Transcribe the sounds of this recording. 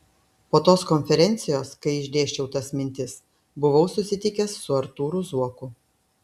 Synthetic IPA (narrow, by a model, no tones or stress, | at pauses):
poːt̪oːskɔnʲfʲɛɾʲɛnʲt̪sʲɪjoːskɐɪɪʒʲd̪ʲeːʃʲt͡ʃʲɛʊt̪ɐsmʲɪnʲt̪ʲɪs | bʊʋɐʊsʊsʲɪt̪ʲɪkʲɛsːʊɐɾt̪uːɾʊzuɔkʊ